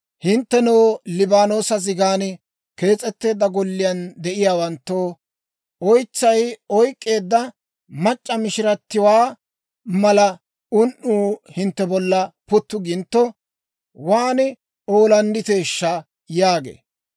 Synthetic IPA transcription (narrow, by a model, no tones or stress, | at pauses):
hɪnt̪ːɛnoːlɪbaːno̞ːsɐzɪɡaːn | ke̞ːt͡sʼːɛt̪ːe̞ːd̪ːɐɡɔlːɪjɐnd̪ɛʔɪjaːwɐnt̪ːoː | ɔjt͡sːɐjɔjkʼːe̞ːd̪ːɐ | mɐt͡ʃʼːɐmɪʃɪɾɐt̪ːɪwaː | mɐlɐ | ʊnʔuːhɪnt̪ːɛbɔlːɐpʊt̪ːʊɡɪnt̪ːɔ | waːnɪ | o̞ːlɐnd̪ɪt̪e̞ːʃːɐ | jaːɡḛː